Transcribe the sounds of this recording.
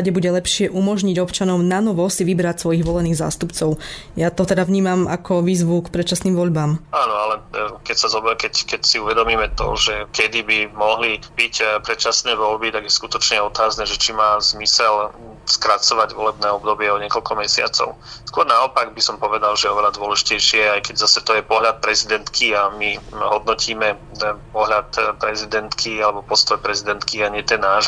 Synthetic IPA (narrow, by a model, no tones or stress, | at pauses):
aɟɛbuɟɛlɛpʃɪɛʔumɔʒɲiɟɔpt͡ʃanɔʊnanɔʋɔsiʋibɾacsʋɔjiɣʋɔlɛniːɣza̰ːst̪upt͡sɔʊjat̪ɔt̪ɛd̪avɲiːmamakʰɔʋiːzʋukpɾɛtt͡ʃasniːmʋɔʎbaːmaːnɔalɛkɛcsazɔbɛkɛckɛcsiuʋɛd̪ɔmiːmɛt̪ɔ̰ʒɛkɛd̪ibimɔɦlibicpɾɛt͡ʃasnɛːʋɔʎbit̪aɡjɛskut̪ɔt͡ʃɲɛɔt̪aːznɛʒɛt͡ʃimaːzmisɛl | skɾat͡sɔʋaɟʋɔlɛbnɛːɔbd̪ɔbɪɛɔɲɪɛkɔʎkɔmɛsɪa̰t͡sɔ̰ʊskʊɔɾnaɔpaɡ̚bisɔmpɔʋɛd̪alʒɛjɛɔʋɛlad̪ʊɔlɛʒicɛjʃɪɛajkɛɟzasɛt̪ɔjɛpɔɦʎat̪̚pɾɛzid̪ɛnt̪kʰiamiɦɔd̪̚nɔcʰiːmɛ | ppɔɦʎat̪pɾɛzid̪ɛnt̪kʰialɛbɔpɔst̪ɔjpɾɛzid̪ɛnt̪kiaɲɪɛt̪ɛnːaːʒ